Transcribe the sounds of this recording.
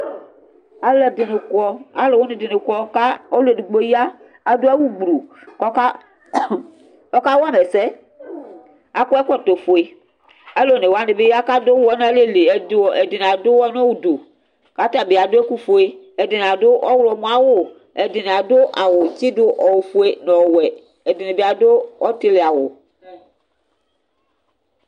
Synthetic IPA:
a˨lɛ˨dɪ˨ne˨kɔ˦a˦le˨wo˦nẽ˨dɪ˨ne˨kɔ˦ka˦o˦lu˦e˨du˨ɡ͡bo˦jaː˦˨ | do˦ɛ˦wu˦ɡ͡bɾu˨ | kɔ˦ka˦ | ɔ˦ka˦wo˦a˦me˨sɛ˦ | a˨kɔ˦ɛ˦kʷɔ˦t̪o˨fo˨e˨ | a˦lo˨ne˨wa˨˦ne˨be˦ja˦ka˦do˦wɔ˦n˦a˦le˦le˨e˨de˨dɪ˨n˨a˨dʊ˦wɔ˦n˦wu˨do˨ | ka˦t̪a˨be˨a˨dʊ˦e˦ku˦fo˨e˦ | ɛ˨dɪ˨n˨a˨dʊ˦ʔɔ˦wlɔ˨mũ˦a˨wʊ˦˨ | ɛ˨dɪ˨n˨a˨do˦ʔa˨wʊ˨t͡ʃi˦dʊ˦ʔɔ˨wfo˦e˦nɔ˨wɛ˨ | ɛ˨dɪ˨ne˨be˨a˨do˦ɔ˦t̪e˦le˨a˨wʊ˨

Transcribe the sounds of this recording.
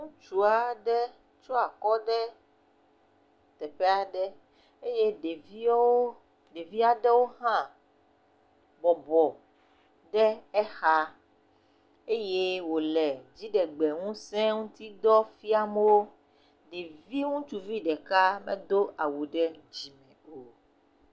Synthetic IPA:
ŋũ˦t͡ʃu˦a˦˨ɖɛ˦ | t͡ʃɔ˦a˨kɔ˦ɖɛ˦ | t̪ɛ˨pɛ˦a˨ɖɛ˦ | e˦je˦ɖe˨vi˦ | ɖe˨vi˦a˦ɖɛ˦wo˦ɦã˦ | bɔ˨bɔ˨ | ɖɛ˦ɛ˦xa˦ | e˦je˦wo˨lɛ˨d͡ʑi˦ɖɛ˨ɡ͡bɛ˨ŋũ˦sɛ̃˦ŋũ˦t̪i˦d̪ɔ˦fi˦a˦m˦wo˦ | ɖe˨vi˦ŋũ˦t͡ʃu˨vi˦ɖɛ˨ka˦mḛ̃˦d̪o˦ʔa˨wu˨ɖɛ˦d͡ʑi˨mɛ̃˨o˨

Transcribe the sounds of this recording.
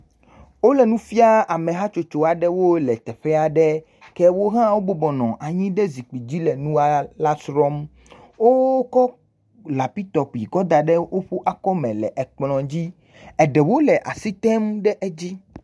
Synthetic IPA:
wo˦lɛ˨nũ˦fi˦a˦a˨mɛ̃˨ɦa˦t͡ʃo˨t͡ʃo˨a˨ɖɛ˦wo˦lɛ˨t̪ɛ˨ɸɛ˦a˨ɖɛ˦ | kɛ˦wo˦ɦã˦wo˦bɔ˦bɔ˨nɔ̃˨ʔa˨ɲĩ˦ɖɛ˦zi˨k͡pi˨d͡ʑi˦lɛ˨nũ˦a˦la˦sɾɔ˦m | wo˦kɔ˦ | la˨pi˦t̪ɔ˨pi˨ɡɔ˦d̪a˨ɖɛ˦wo˦ɸu˦ʔa˨kɔ˦mɛ̃˨lɛ̰˨ʔɛ˨k͡plɔ̃˨d͡ʑi˦ | ɛ˨ɖɛ˨wo˦lɛ˨ʔa̰˨si˦t̪ɛ˦mɖɛ˦ʔɛ˦d͡ʑi˦

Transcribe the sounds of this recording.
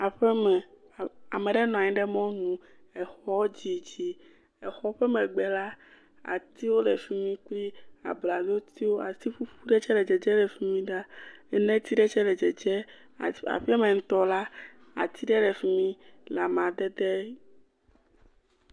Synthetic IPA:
a˨ɸɛ˦mɛ˨ | a˨mẽ˨ɖɛ˦nɔ̃˨a˨ɲĩ˦ɖɛ˦mɔ̃˦nũ˨ | ɛ˨xɔ˦d͡ʑi˨d͡ʑi˦ | ɛ˨xɔ˦ɸɛ˦mɛ̃˨ɡ͡bɛ˨la˦ | a̰˨t̪i˦wo˦lɛ˨fi˦mĩ˦k͡pli˦a̰˨bla˨d̪o˦t̪i˦wo˦a˨si˦ɸu˦ɸu˦ɖɛ˦t͡ʃɛ˦lɛ˨d͡ʒɛ˨d͡ʒɛ˦ɖɛ˨fi˦mĩ˦ɖa˦ɛ˦nɛ̃˦t̪i˦ɖɛ˦t͡ʃɛ˦ɖɛ˨d͡ʒɛ˨d͡ʒɛ˦˨ | a̰˨ɸi˦a˦mẽ˨ŋ̩̃˦t̪ɔ˦la˦ | a̰˨t̪i˦ɖɛ˦ɖɛ˨fi˨mĩ˦la˨m˨ã˨d̪ɛ˦d̪ɛ˦

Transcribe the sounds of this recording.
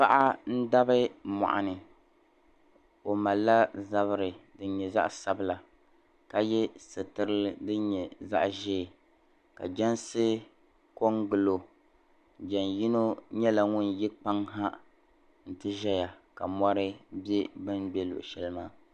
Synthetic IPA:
pa˦ʔa˦n̩˦da˦bɨ˦mɔ̰˨ʔa̰˨nɨ˨ | o˨ma˨lːa˦za˦βɨ˦ɾɨ˨dɨ˦n˦ɲɛ˨za̰˦ʔsa˦bɨ˦la˨ | ka˨jɛ˦sɨ˨tɨ˦ɾɨ˦dɨ˦ɲɛ˨za̰˦ʔʒeː˦˨ | ka̰˨d͡ʒɛ˦nsɨ˦ | ko˦ŋɡɨ˨lo˨ | d͡ʒɛ˨nji˦no˦ɲɛ˦la˨ŋʊ˦nji˦k͡pa˦ŋɦa˦ | n̩˨tɨ˦ʒɛ˦ja˨ka˨mɔ˦ɾɨ˦bɛ˦bɨ˦nbɛ˦lʊ̰˨ʔʃɛ˦lɨ˦maː˦

